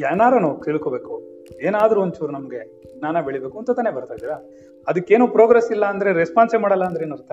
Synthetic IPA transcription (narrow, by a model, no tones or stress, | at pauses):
jɛːnaːɾɐnut̪iːɭkobe̞ːku | eːnaːd̪ɾuont͡ʃuɾunɐmɡe̞ | naːnɐbeɭibe̞ːkuɐnt̪ɐt̪aːnebɐɾt̪ajd̪iːɾa | ɐd̪ɐkːe̞ːnuːpɾoːɡɾesilːɐːnd̪ɐɾe̞ɾespaːnsemaːɽɐlːɐːnd̪ɾeːnuɾt̪ːe